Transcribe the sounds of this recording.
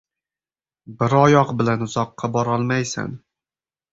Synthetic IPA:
bɪɾɒjɒqbɪlanʊzɒqʰːɑbɒɾɒlˠmajsa̰n

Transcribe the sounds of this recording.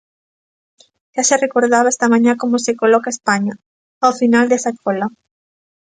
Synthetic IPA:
ʃaʃerekoɾðaβaest̪ɐmãɲakomosekolɔkaespaɲa | awfinald̪esakʰolɐ

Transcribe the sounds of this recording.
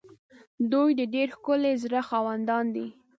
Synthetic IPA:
d̪ujd̪əɖeɾxkʊlezɾəxɑwand̪ɑnd̪i

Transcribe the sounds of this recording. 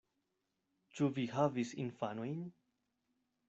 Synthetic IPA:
t͡ʃuviɦavisḭnfanojn

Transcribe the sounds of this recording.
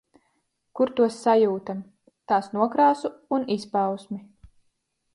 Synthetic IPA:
kuɾt̪uɔsːajuːt̪am | t̪aːsnuɔkɾaːsuːnispawsmi

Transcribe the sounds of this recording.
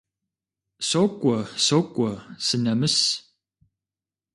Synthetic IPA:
sokʷʼɔsokʷʼɔsɨnɐmɨs

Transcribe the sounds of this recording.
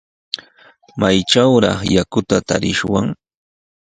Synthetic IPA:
majʈ͡ʂawɾɑ̰χjakʊt̪at̪aɾɪʃwaŋ

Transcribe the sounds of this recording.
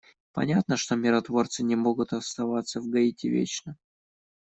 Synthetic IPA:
pɐ̰nʲat̪nəʂt̪o̞mʲɪɾɐt̪vo̞rt̪sɨnʲɪmo̞ɡʊt̪ɐst̪ɐvat̪sːəvɡɐitʲɪvʲḛt͡ɕnə

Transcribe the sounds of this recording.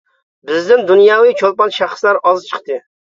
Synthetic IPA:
bɪzd̪ɪnd̪unjɑwɨjt͡ʃʰolˠpɑnʃæχslæɾɑzt͡ʃʰə̥χt̪ɨ

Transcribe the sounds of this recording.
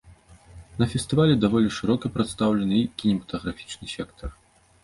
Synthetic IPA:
nɐfʲɛst̪ɨvalʲɛd̪avɔlʲiʂɨɾɔkipɾɨt̪st̪awlʲɛnɨkʲinʲɛmɐt̪ɐɣɾafʲi̥t͡ʂnɨsʲɛkt̪ʰɐr

